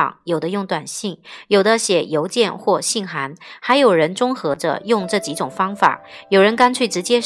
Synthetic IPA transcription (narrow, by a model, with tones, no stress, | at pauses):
ŋjo˨˩d̪ə˦jʊ˥˩ŋt̪wa˨˩nɕi˥˩ŋjo˨˩ʊd̪ə˧ɕjɛ˨˥˩jo˧˥ʊt͡ɕjɛ˥˧nxwɔ˥˧ɕi˥˩ŋxa˧˥nxa˧˥ɪjo˨˩ʊɻə˧˥nʈ͡ʂʊ˥ŋxɤ˧˥ʈ͡ʂə̰˧jʊ˥˧ŋʈ͡ʂɤ˥˩t͡ɕi˧˥ʈ͡ʂʊ˨˩ŋfɑ˥ŋfa̰˨˩˦jo˨˩ʊɻə˧˥nka˥nt͡ɕʰy˥˩ɪʈ͡ʂɻ̩˧˥t͡ɕjɛ˥